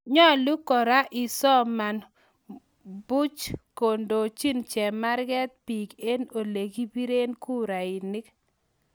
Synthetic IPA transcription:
ɲɔ˦˨lu˦kɔ˨ɾa˦ʔɪ˨sɔ˦ma˨n | bu˦t͡ʃko˨ndo˨t͡ʃi˦nt͡ʃɛ˨ma˦ɾɡɛ˦t̪̚pi˨ke˦no˨le˨ɡi˦bi˦ɾe˦nku˦ɾa˨i˨ni˦k

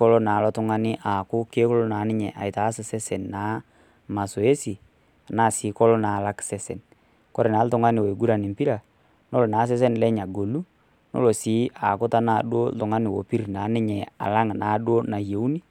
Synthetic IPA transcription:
kɔ˦lo˦na˨lɔ˦tʊ˦ŋa˦nɪ˦ʔa˨kʊ˦ke˦ko˦lo˦na˨˦nɪ˦ɲɛ˨ʔa̰˨ɪ˨ta˨˦sɪ˨sɛ˦sɛ˨nna˨˦ | ma˨so˨e˦si˨ | a˨naː˦˨sɪː˨˦kɔ˦lo˦na˨la˦ksɛ˦sɛ̰˨n | kɔ˦ɾe˨na˨˦ltʊ˨ŋa˦nɪ˨wo˨ɡu˦ɾa˨nɪ˨mpi˦ɾa˨ | no˦lo˨naː˨˦s̬ɛ˦s̬e˦nlɛ˦ɲa˨ɡo˨lu˦ | no̰˦lo˨si˨˦a˨kʊ˦ta˦naː˨ɗo˦ltʊ˨ŋa˦nɪ˨wo˨pi˦ɾnaː˨˦nɪ˦ɲɛ˨a̰˨la˦ŋna˨˦ɗo˦na˨je˨u˦ni˦

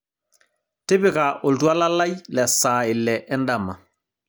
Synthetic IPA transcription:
tɪ˦bɪ˨kaʔo˨ltu˦a˦la˦la˦jlɛ˨saː˨ɪ˨lːɛ˨ʔɛ˦ndamːa˨

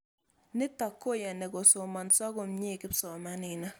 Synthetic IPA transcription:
nɪ˦tɔ˨kːo˦˨ja˨ne˨ɡo˨so˨ma˨nsa˦ɡo˨mɲe˦˨kɪ˦psɔ˨ma˦nɪ˨na˦

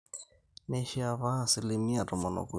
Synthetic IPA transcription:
ne˦ʃi˦a˦˨βa˦˨sɪ˦li˦mi˦a˨tɔ˨ma˨nɔ̰˨ku˨

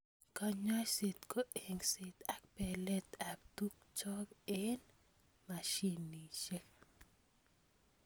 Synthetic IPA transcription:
ka˧ɲwa˦t͡ʃse˨t̪ko˦ʔe˨ŋse˨t̪a˦k̚pɛ˨lɛ˦t̪a˨ktu˦k̚t͡ʃɔ˦kɪ˦n | ma˨ʃi˦nːi˨t͡ʃe˦k

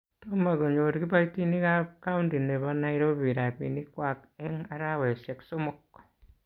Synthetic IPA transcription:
toma˨ko˨ɲo˨ɾki˦ba˦iti˦ni˦kakaundi˨ne˨βa˦na˦iɾoβiɾa˨pḭ˨ni˦kwa˨kɛŋa˦ɾawɛ˨sɛ˨ksomɔkː

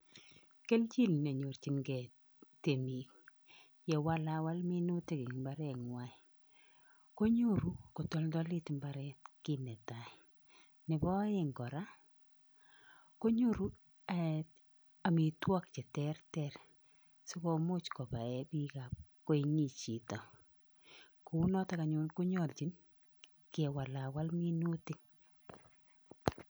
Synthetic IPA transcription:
ke˦lt͡ʃi˦ln˨o˨ɲo˨ɾt͡ʃi˨mɡɛ˨ | te˨mi˨k | jɛ˨wa˦la˦wa˦lmɪ˦nu˦te˦ki˨ŋmba˦ɾɛ˨ŋwa˦ɪ˨ | ko˦ɲo˦ɾu˨ko˨to˨ldɔ˦lɪ˦tmba˨ɾɛ˦tkɪ˦nɛ˨ta˨ | nɪ˨bɔ˦ɪ˦ŋɡɔ˨ɾa˦ | ko˦ɲu˦ɾu˦ | a | a˨mi˨twɔ˦k̚t͡ʃɛ˨tɛrtɛr | si˦ko˦mo˦t͡ʃko˨pa˨ɛ˨bi˦ka˨p̚ko˦i˨ŋi˨t͡ʃi˨tɔ˨ | ku˨u˦nɔ˦ta˦ka˨ɲu˦nku˦ɲɔ˨lt͡ʃi˨˦n | kɛ˨wa˨la˨wa˦lmi˦nu˦ti˦ŋ

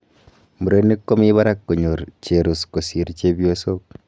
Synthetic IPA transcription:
mu˨ɾe˦nːe˦kːo˦mi˦βa˦ɾa˦kːo˨ɲo˨ɾt͡ʃe˨ɾu˨sko˨si˨ɾt͡ʃe˦bjo˦so˦k̚

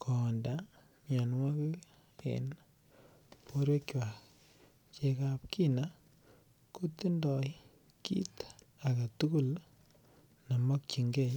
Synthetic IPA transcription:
kʰɔ˨nda˨ | mja˨nwa˦ki˦ | ḛn | po˦ɾwe˦kwa˨ | t͡ʃe˦ka˦pkʰi˦na˦ | ku˦ti˦ndɔ˨ | kḭ˦ta˨ka˨tu˦ku˦˨l | na˨mɔ˦k̚t͡ʃi˨ŋɡe˦˨j

